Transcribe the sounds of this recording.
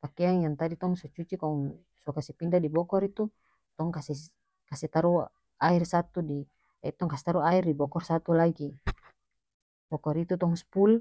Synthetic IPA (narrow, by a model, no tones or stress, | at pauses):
pakɛaŋjaŋt̪adit̪ɔŋsɔt͡ʃut͡ʃikɔŋ | sukasɛpindadibɔkɔɾit̪u | t̪ɔŋkasɛ | kasɛt̪aɾu | airsat̪udi | ait̪ɔŋkasɛ̥t̪aɾuairdibɔkɔrsat̪ulaɡi | bɔkɔɾit̪ut̪ɔŋspul